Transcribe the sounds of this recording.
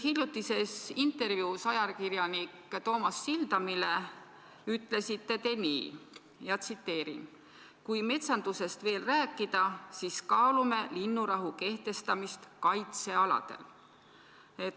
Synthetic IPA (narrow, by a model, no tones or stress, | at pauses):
hilʲjut̪ːˑise̞sint̪ːˑe̞ɾvjuːsɑjɑlkiɾjɑnikːt̪o̞ːmɑsːild̪̥ɑmile̞ | yt̪ːˑle̞sit̪ːe̞t̪e̞nḭː | jɑt̪sit̪ːe̞ːɾḭn | kujme̞t̪sɑnd̪̥use̞st̪ve̞ːlræːkˑːid̪̥ɑsiskɑːlume̞linːuɾɑɦuke̞ht̪e̞st̪ɑmist̪kɑjt̪se̞ɑlɑ̰d̪̥e̞̰l | e̞t̪